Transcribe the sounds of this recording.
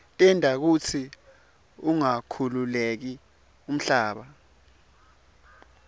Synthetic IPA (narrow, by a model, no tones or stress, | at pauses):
tʼindʱak̬ut͡sʰi | uŋakʰululek̬i | um̩ɬaːɓa